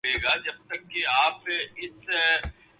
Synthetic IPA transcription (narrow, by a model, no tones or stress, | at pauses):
eːɡaːd͡ʒɐb̚t̪ɐkːeaːpɪs